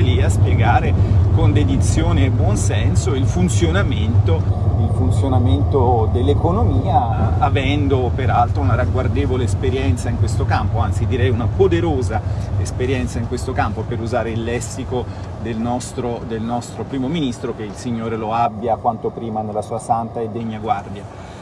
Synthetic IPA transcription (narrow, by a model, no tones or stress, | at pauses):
liaspjeɡaːɾekond̪ed̪it̪sːjoːneːbwɔnsɛnsoilfunt̪sjonament̪oilfunt̪sjonament̪od̪elːekonomiːaavɛnd̪opeɾalt̪ɾounaɾaɡward̪eːvoleːspeɾjɛnt̪saiŋkwest̪okampoant̪sid̪iɾɛjunapod̪eɾoːzaespeɾjɛnt̪saiŋkwest̪okampopeɾuzaːɾeilːɛsːikod̪elnɔst̪ɾod̪elnɔst̪ɾopɾiːmominist̪ɾok̟eilsiɲːoːɾeloabːjakwant̪opɾiːmanelːasuːasant̪aed̪ːeɲːaɡward̪ja